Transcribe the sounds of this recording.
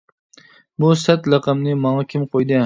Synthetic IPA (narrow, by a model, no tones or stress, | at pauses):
busæt̪lɑqɑmnɪmɑŋɑkʲʰɪmqʰojd̪ɪ